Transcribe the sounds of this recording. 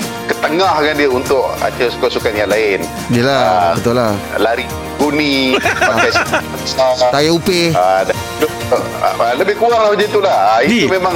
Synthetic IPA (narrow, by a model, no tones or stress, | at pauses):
kət̪əŋahkandiəunt̪ʊʔa̰t͡ʃəsu̥kaʔsukanjaŋlaɪn | diəlabət̪ʊlah | laɾi | ɡunipakajs | sat̪ajaupeada | dʊ̰ | aləbɪhkuaŋlamad͡ʒat̪ulahit̪umemaŋ